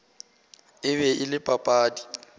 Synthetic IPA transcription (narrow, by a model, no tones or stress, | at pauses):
ɪβɛʔɪlɪpʼapʼaːdi